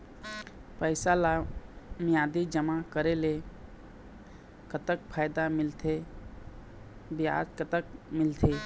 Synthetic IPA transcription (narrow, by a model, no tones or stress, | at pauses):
pəɪsalamijad̪id͡ʒəmakəɾele | kət̪ək̚pʰajd̪amilt̪ʰe | bija̰d͡ʒkət̪əkmɪlt̪ʰe